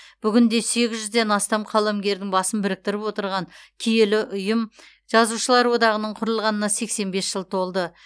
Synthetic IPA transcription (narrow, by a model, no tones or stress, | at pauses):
b̥ʏɡʲɪnd̪e̞se̞ɡʲɪzʒʏzd̪e̞nɑst̪ɑmqʰɑlˠamɡʲe̞ɾd̪ɪŋbɑsənbɪɾɪk̚t̪ɪɾɪpwo̞t̪əɾʁɑŋkʲʰije̞lɪʔʊjəm | ʒ̥ɑzuʃəlˠɑɾwo̞d̪ɑʁənəɴqʰʊɾəlˠʁɑnənɑse̞kse̞nbe̞sʒ̥əlˠt̪ʰo̞lˠd̪ə